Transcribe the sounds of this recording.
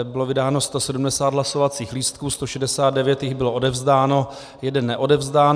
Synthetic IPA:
bɪlo̞vɪdaːno̞st̪osɛdumdɛsaːd̪ɦlaso̞vat͡siːxliːst̪̚kuːst̪oʃɛdɛsaːd̪dɛvjɛt̪jɪɣbɪloʔo̞dɛvzdaːno̞ | jɛdɛnːɛʔo̞dɛvzdaːn

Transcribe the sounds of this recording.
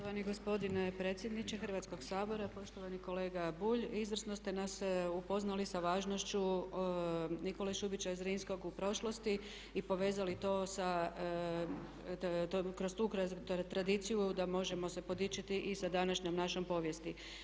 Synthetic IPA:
ot̪oʋaniɡo̞spo̞d̪inepɾet̪sje̞d̪nit͡ɕexəɾ̩ʋat̪sko̞ɡ̥saːbo̞ɾapo̞ʃt̪o̞ʋaniko̞le̞ːɡabuːʎizʋr̩snost̪e̞nasupo̞znalisaʋaːʒno̞ʃt͡ɕu | niko̞leʃubit͡ɕaizɾiːnsko̞ɡupɾo̞ʃlo̞st̪i | ipo̞ʋe̞ːzalit̪o̞sa | kɾost̪uːkɾt̪ɾad̪it̪sijud̪amo̞ʒe̞mo̞se̞po̞d̪it͡ʃit̪iʔisad̪anaʃɲomnaʃompo̞ːʋje̞st̪i

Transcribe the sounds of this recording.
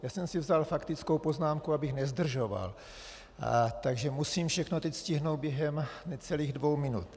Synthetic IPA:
jaːsɛmsɪvzalfakt̪ɪt͡skowpoznaːmkuabɪxnɛzd̪r̩ʒova̰l | t̪aɡʒɛmusiːmfʃɛxnot̪ɛcscɪɦnowd̪̚bjɛɦɛmnɛt͡sɛliːɣdvowmɪnṵt̪

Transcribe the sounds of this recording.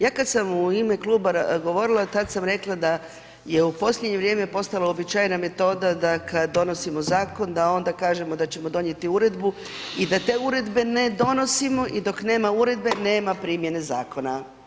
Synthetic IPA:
jaːkad̪samuime̞klˠuːbaɡo̞ʋo̞ɾilˠat̪ad̪samɾe̞klˠad̪a | je̞upo̞slʎʲed̪ɲe̞ʋɾjemepo̞st̪alaobit͡ʃaːjname̞t̪o̞ːd̪ad̪akad̪d̪ːo̞no̞simozaːko̞nd̪ao̞nd̪akaːʒe̞mo̞d̪at͡ɕe̞mod̪o̞ɲe̞t̪iuɾe̞d̪bu | id̪at̪e̞ːuɾe̞d̪be̞ne̞d̪o̞no̞simo̞ʔid̪o̞kne̞ːmauɾe̞d̪̚be̞ne̞ːmapɾiːmje̞ne̞zaːko̞na

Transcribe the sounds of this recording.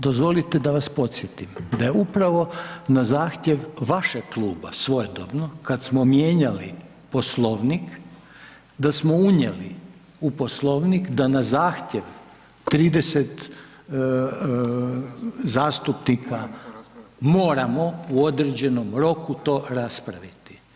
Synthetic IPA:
d̪ozʋo̞lit̪e̞d̪aʋaspo̞t̪sjet̪imd̪ajeupɾaʋo̞nazaːxt̪jeʋʋaʃeɡklˠuːba̰sʋo̞jed̪o̰bnokad̪smomje̞ːɲalḭ | po̞slˠo̞ʋnik | d̪asmo̞uɲḛli | upo̞slˠo̞ʋnikd̪anazaːxt̪jeʋ | t̪ɾiːd̪eset̪ | zaːst̪upnikʰa | mo̞ːɾamo̞uo̞d̪ɾed͡ʑe̞no̞mɾo̞kut̪o̞ːɾaspɾaʋit̪i̥

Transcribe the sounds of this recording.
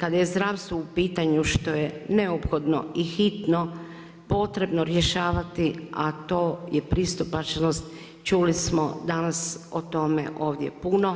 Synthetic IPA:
kad̪aje̞zd̪ɾaːʋst̪ʋoupiːt̪aɲuʃt̪o̞jene̞opxo̞d̪no̞̰ixit̪no̞ | po̞t̪ɾe̞bnoɾjeʃaːʋat̪iat̪o̞ːjepɾist̪upat͡ʃnost̪ | t͡ʃulismod̪anasot̪o̞me̞̰ʔo̞ːʋd̪je̞̰puno̞

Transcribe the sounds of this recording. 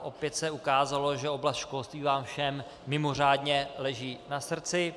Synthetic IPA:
ʔo̞pjɛt̪sɛukaːzalo̞ʒɛo̞blast̪ʃko̞lst̪viːvaːmfʃɛmː | ɪmo̞r̝aːdɲɛlɛʒiːnasr̩t͡sɪ

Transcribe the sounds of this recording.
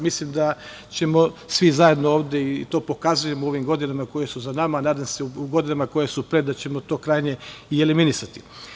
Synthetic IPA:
mislimd̪a | t͡ɕe̞mo̞sʋizaje̞d̪nooːʋd̪eit̪o̞ːpo̞kazuje̞moo̞ʋimɡo̞d̪inamako̞je̞suzanamanaːd̪amseuuɡo̞d̪inamako̞jesupɾe̞d̪at͡ɕe̞mo̞t̪o̞ːkɾajɲe̞ieliminisat̪i̥

